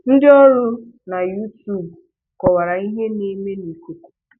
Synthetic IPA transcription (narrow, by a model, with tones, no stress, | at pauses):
n̩˦dɪ˦ɔ˦ɾʊ˦ | na˨ju˦tu˦˨b | kɔ˨wa˨ɾa˨i˦ɦe˦ne˦me˦ni˨ko˨ko̥˨